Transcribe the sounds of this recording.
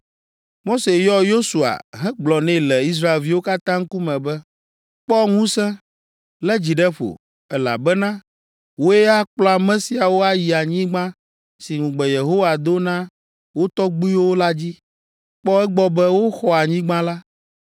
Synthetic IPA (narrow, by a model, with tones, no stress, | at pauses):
mo˦se˨jɔ˦jo˦su˨a̰˨ɦɛ̃˦ɡ͡blɔ˨nɛ̃˦˨lɛ˨i˦s̬ɾa˦e˨lvi˦wo˦ka˦t̪ã˦ŋ̩˦ku˦mɛ̃˨bɛ˦ | k͡pɔ˦ŋũ˦sɛ̃˦ | lɛ˦d͡ʑi˨ɖɛ˦ɸo̰˨ | ɛ˦la̰˨bɛ˦nã˦ | wo˦e˦a˦k͡plɔ˦a˨mɛ̃˦si˦a˨wo˦a˦ji˨a˨ɲĩ˦ɡ͡bã˦ | si˨ŋũ˨ɡ͡bɛ˨je˨ɦo˦wa˨d̪o˦nã˦ | wo˦t̪ɔ˦ɡ͡bu˦o˦la˦d͡ʑi˦ | k͡pɔ˦ɛ˦ɡ͡bɔ˦bɛ˦wo˦xɔ˦a˨ɲĩ˦ɡ͡bã˦la˦